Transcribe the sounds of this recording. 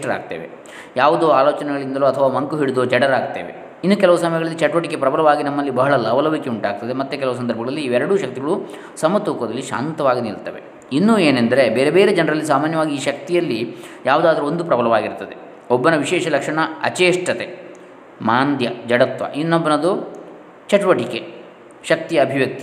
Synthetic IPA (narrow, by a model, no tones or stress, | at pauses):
ʈɐɾa̰ːɡ̚t̪ḛːʋḛ | jaːʋud̪uaːloːt͡ʃɐnɛɡɐɭind̪ɐluːɐt̪ʰɐʋaːmɐŋkuɦiɽd̪ot͡ʃɛɽɐɾaːɡt̪ːḛːʋe | inːukɛlɐʋusɐmɐjɐɡɐɭɐlːit͡ʃɛʈʋɐʈikːepɾɐbʱɐlɐʋaːɡinɐmːɐlːibɐɦɐɭɐlɐʋɐlɐʋikeuɳʈaːɡ̚t̪ɐd̪emɐt̪ːek̬ɛlɐʋus̬ɐnd̪ɐɾbʱɐɡɐɭɐlːiːʋɛɾɐɽuʃɐk̚t̪iɡɐɭu | sɐmːɐt̪uːkɐd̪ɐlːiʃa̰ːnt̪ɐʋaːɡiniɭt̪ɐʋe̞̰ | inːueːnend̪ɐɾe̞beːɾebeːɾed͡ʒɛnɐɾɐlːis̬aːmaːnjɐʋaːɡiːʃɐk̚t̪ijɐlːijaːʋud̪aːd̪ɐɾuond̪upɾɐbʱɐlɐʋaːɡiɾt̪ːɐd̪e | ɔbːɐnɐʋiʃɛːʃɐlɐkʂɐɳɐɐ̰t͡ʃeːʂʈɐt̪e | maːnd̪ʱjɐd͡ʒɐɽɐt̪ʋɐ̰ʔinːobːɐnɐd̪u | t͡ʃɛʈʋɐʈike | ʃɐkt̪iɐːbʱiʋjɐk̚t̪i